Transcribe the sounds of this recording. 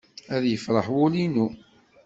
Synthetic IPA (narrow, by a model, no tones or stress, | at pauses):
æðjəfɾˤəħwʊlinu